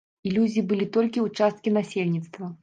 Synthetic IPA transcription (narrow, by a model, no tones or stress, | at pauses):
ilʲuzʲibɨlʲit̪ɔlʲkʲiut͡ʂast̪̚kʲinasʲelʲnʲit̪st̪vɐ